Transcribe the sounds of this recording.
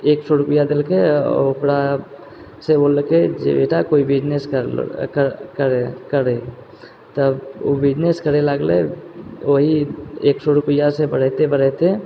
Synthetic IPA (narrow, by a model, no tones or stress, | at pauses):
eːksɔɾʊpəjad̪ɪlkeokɽa | seboːlked͡ʒḛbḛːʈakoːibɪd͡ʒnes | kəɾkəɾe | t̪əo̰bɪd͡ʒneskəɾeləɡlḛ | oɦieːksɔɾʊpəjasebəɽ̤ɛt̪ebəɽɛt̪e